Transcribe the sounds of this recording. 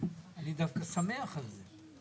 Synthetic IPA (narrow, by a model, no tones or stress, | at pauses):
alid̪afkasameaχalze